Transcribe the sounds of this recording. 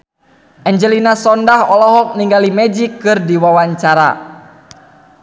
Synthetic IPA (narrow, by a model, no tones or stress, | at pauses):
ʔɛɲd͡ʒəlinasɔndahɔlɔɦɔk̚niŋɡalimɛd͡ʒikːɨrdiwawaɲt͡ʃaɾa̰